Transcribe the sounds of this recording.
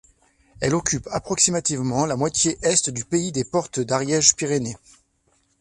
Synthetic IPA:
ɛlɔkʲypapχɔksimat̪ivmɑ̃lamwat̪jeʔɛst̪d̪ypeid̪epɔʁt̪d̪aʁjɛʒpiʁene

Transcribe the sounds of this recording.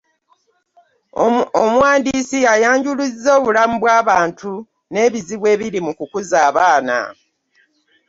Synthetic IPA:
omwaːndiːsiajaːɲɟulizːo̞ːβulamuβwaːβaːntʰu | ne̞ːβiziβwe̞ːβiɾimukukuzaːβaːna̰

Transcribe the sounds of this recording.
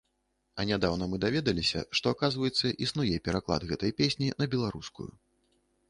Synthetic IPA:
ɐnʲad̪awnɐmɨd̪avʲɛd̪ɐlʲisʲɐ̰ʂt̪ɔakazvɐjɛt̪sːɐʔisnujɛpʲɛɾaklˠa̰d̪ɣɛt̪ɐjpʲesʲnʲinɐbʲɛlˠaɾuskṵjṵ

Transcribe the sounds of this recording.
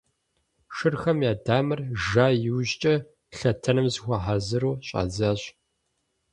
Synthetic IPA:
ʂɨrxɐmjaːdaːmɨrʒaːjɪwʑt͡ʃʼɐ | ɬɐtʰɐnɨmzxʷɐħazɨɾuːɕʼa̰ːzaːɕ

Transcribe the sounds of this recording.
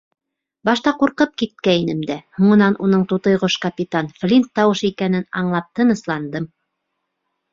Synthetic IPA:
bɑʃt̪ɑquɾqɤp̚kit̪̚kæinɘmd̪æhuɴɤ̆nɑnʔunɤɴt̪ut̪ɤ̆jʁoʃkɐpʲit̪anflʲint̪ːɑwɤʃikænɘnɑɴlˠɑp̚t̪ɤ̆nɤ̆slˠɑnd̪ɤm

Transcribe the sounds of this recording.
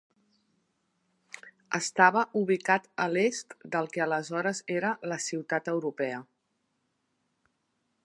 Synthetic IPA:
əst̪aβəʔuβ̞ikat̪əlest̪d̪əlˠkɛələzɔɾəzeɾələsiwt̪at̪əwɾupɛə

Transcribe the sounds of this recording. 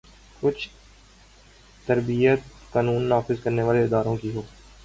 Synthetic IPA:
kʊt͡ʃʰ | t̪əɾbijət̪kaːnuːnːaːfɪzkɐɾneʋaːleɪd̪aːɾõkiɦoː

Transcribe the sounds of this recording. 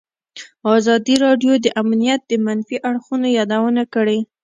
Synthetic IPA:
ɑzɑd̪iɾɑɖjod̪əʔamnijat̪̚d̪əmanfiʔaɽxunojɑd̪awənakəɽe

